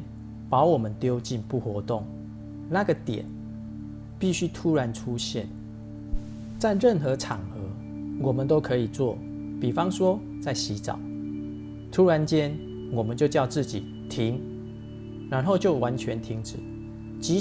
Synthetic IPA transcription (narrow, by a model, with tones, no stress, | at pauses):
pɑ˧˥ʊwɔ˨˩mə˨˦nt̪jo˥˦ʊt͡ɕi˥˧npu˥˨˩xwɔ˧˦t̪o˥˨˩ŋ | na˥˨ɡə˨t̪jɛ̰˨˩˦n | pi˥˨ɕy˦t̪ʰu˦ɻa˧˦nʈ͡ʂʰu˦ɕjɛ˥˨n | t͡sa˥˧ɪɻə˥˨nxɤ˨˦ʈ͡ʂʰɑ˨˩ŋxə˨˧˦ | wɔ˨˩mə˨˦nt̪o˥ʊkʰɤ˧˦i˨˩t͡swɔ˥˨˩ | pi˨˩fɑ˦ŋswɔ˦ | t͡sa˥˩ɪɕi˨˥t͡sɑ̰˨˩˦ʊ | t̪ʰu˦˥ɻa˧˦nt͡ɕjɛ˦n | wɔ˨˩mə˨˦nt͡ɕjo˥˧ʊt͡ɕjɑ˥˧ʊt͡sɹ̩˥˩t͡ɕḭ˨˩ | t̪ʰi˦˥ŋ | ɻa˧˦nɦo˥˧ʊt͡ɕjo˥˩ʊwa˧˦nt͡ɕʰɥɛ˧˦nt̪ʰi˧˥ŋt͡sɹ̩˨˩˦ | t͡ɕi˨˦